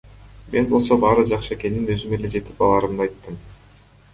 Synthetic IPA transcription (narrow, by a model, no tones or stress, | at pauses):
mʔe̞nbo̞lˠso̞bɑːɾɯd͡ʒɑqʃɯe̞ke̞nːinøzyme̞le̞d͡ʒe̞t̪i̥pɑlˠɑːɾɯmd̪ɑjt̪ːɯm